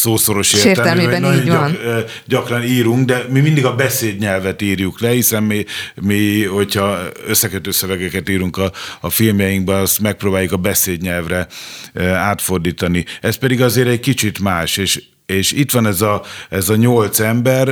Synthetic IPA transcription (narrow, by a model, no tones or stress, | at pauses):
soːso̞ɾo̞ʃeːrt̪ːɛlɛnɒoɲ | ɟɒkrɒniːɾuŋkd̪ɛmimind̪iɡɒbɛseːd̪ɲɛlvɛt̪iːrjuklɛhisɛnmimiho̞chɒøsːɛkøt̪øːsøvɛɡɛkɛt̪iːɾuŋkɒːfilmjɛjiŋɡbɛnɒst̪mɛk̚proːbaːjukɒbɛseːd̪ɲɛlvrɛ | aːt̪ford̪iːt̪ɒniɛst̪̚pɛd̪iɡɒzeːɾɛɟkit͡ʃit̪maːʃeːʃ | eːʃit̪ʋɒnɛzɒɛzɒɲolt̪sɛmbɛr